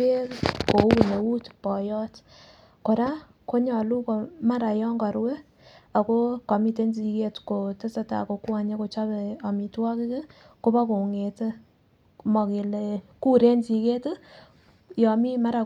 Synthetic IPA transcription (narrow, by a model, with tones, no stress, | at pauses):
e˦kko˨˦u˨ne˨wu˦tpɔ˨jɔ˦t | ko˨ɾa˦ | ko˦ɲɔ˨lu˦ko˨ma˦ɾa˨jɔ˦ŋɡa˨ɾwe˦ | a˨ko˦ka˨mi˦te˦nzi˨ke˦tko˨te˦sa˦ta̰˨ko˨˦kwa˨ɲe˦ko˨t͡ʃa˦bɛ˨a˨mi˨twa˦kɪ˦ke˦ | ko˦ba˦ko˨ŋe˨te˦ | mɔ˨ke˨leku˦ɾe˦nsi˨ke˦t | jɔ˨mi˦ma˦ɾa˨